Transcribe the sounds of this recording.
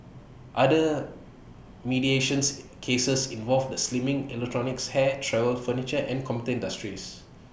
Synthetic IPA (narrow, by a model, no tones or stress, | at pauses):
ʔadə | midieʃə̃nskʰesəsĩnvɔlfdəslimĩŋɛlɛk̚tʰɹɔnɪkshɛtʰɹɛvəlfənit͡ʃəʔɛ̃nkʰɔmitəĩndastɹis